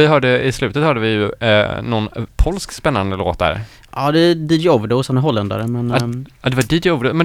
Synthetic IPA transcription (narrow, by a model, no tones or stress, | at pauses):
ɪɦœːɖəɪslʉ̟ːt̪ət̪hœːɖəvɪjɵnɔnpʰɔlskspɛnːand̪əlo̰ːt̪̚d̪æ̰ːɾ | ʔɑd̪ɛd̪ijɔvɖəɔsɛnæɾɦɔlːɛnd̪a̰ɾəmɛnɑd̪ɛvaɖid̪ɔvɾəmɛ